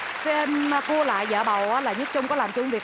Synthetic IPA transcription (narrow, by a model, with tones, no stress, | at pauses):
kma˧ku˧əla̰ː˧˨jzə̰ː˧˩ɓa˨˩wʔaː˨˦laː˨˩ɲə˦˥t̚t͡ɕʊ˧ŋ͡mkɔ˨˦laː˨˩mt͡ɕʊ˧ŋ͡mvi˨˩ək̚